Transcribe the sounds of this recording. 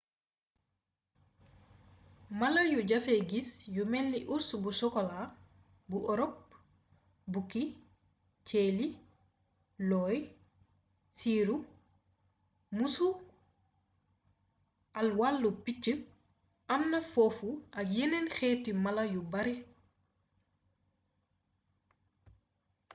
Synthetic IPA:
mɐlɐjuɟɐfeɡisjumɛlːiʔuɾsubusɔkɔla | buʔɔɾɔp̚ | buki | t͡ʃeːli | lɔːj | siːɾu | musu | ʔɐlwalːupit͡ʃːə | ʔɐmnɐfɔːfuʔɐjinenxɛːtːimɐlɐjubɐɾi

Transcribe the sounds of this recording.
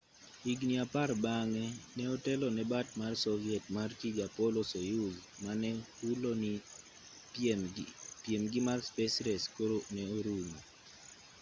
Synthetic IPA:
iɡniaparbaŋɛnɛotɛlɔnɛbat̚marsɔvjɛtmartiɡapɔlosojuz | manɛ | uloni | pemɡɪmarspɛsɾɛskoɾonɛoɾumɔ

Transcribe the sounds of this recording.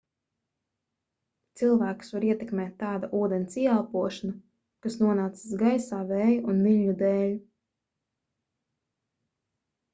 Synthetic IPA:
t̪silˠvæːku̥svaɾiɛt̪ɛkmʲɛːt̪ːaːd̪aʔuːd̪ɛnsiɛalˠpuɔʃana | kasnuɔnaːt̪sḁsɡajsaːvɛːjuunviʎʲɲud̪ɛːlʲ

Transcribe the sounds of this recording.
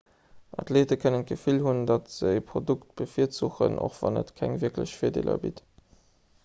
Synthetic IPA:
ʔɑtleːtəkʰənənɡəfilhundɑtz̥əɪpʁodukt̚b̥əfiətt͡suxə̰nʔo̰χv̥ɑnə̰tkʰæŋviəkləɕfiːɐdḛːlɐ̰bit

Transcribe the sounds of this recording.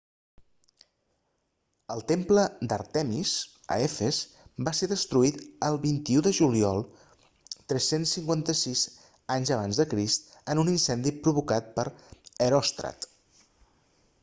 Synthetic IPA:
əlˠt̪empləd̪ə̰ɾt̪ɛmiz | ə̰efez | baseɾðəst̪ɾuit̪əlˠβint̪iuðəʒuliɔlˠ | t̪ɾɛsensːiŋkwant̪əsiz | aɲzəβ̞anzðəkɾist̪ənuninsɛnd̪ipɾuβukat̪̚pəɾəɾɔst̪ɾə̰t̪

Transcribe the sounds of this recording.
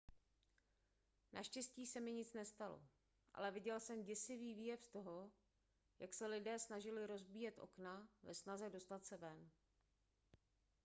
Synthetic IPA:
nʔa̰ʃcɛsciːsɛmɪɲɪt͡snɛst̪alo̞̰ | ʔa̰lɛvɪɟɛlsɛmɟɛsɪviːviːjɛfst̪o̞ɦo̞ | jaksɛlɪdɛːsnaʒɪlɪɾo̞zbiːjɛt̪ʔo̞̰knavɛsnazɛdo̞st̪at̪sɛvɛn

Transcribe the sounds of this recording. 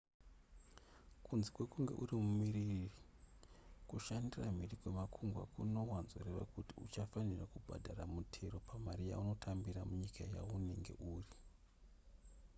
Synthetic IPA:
kunzikwe̞kuŋɡe̞̰ʔurimumiriri | kuʃandiram̤irikwemakʰuŋɡwa̰kuno̞wanzoreʋa̰kutiut͡ʃafanirakubʱa̰dʱaramutʰe̞ɾo̞pʰamarija̰uno̞tʰambiɾamuɲikʰaja̰une̞ŋɡe̞̰ʔuːri

